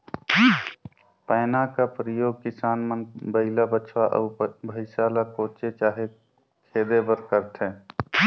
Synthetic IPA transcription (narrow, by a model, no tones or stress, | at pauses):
pəːnakapɾəjoːɡ̚kɪsaːnmənbəɪlabət͡ʃʰwaʔə̰ːbʱəɪsaːlakoːt͡ʃet͡ʃaːɦe | kʰeːd̪ebəɾkəɾt̪ʰẽː